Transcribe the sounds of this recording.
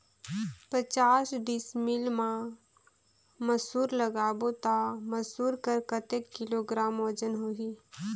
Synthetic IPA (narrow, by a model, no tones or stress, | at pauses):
pɾət͡ʃaːsɖɪsmɪlmã | məsuːɾləɡaːbot̪aməsuːɾkəɾkət̪ekːɪloɡɾaːmoːd͡ʒənɦoːɡiː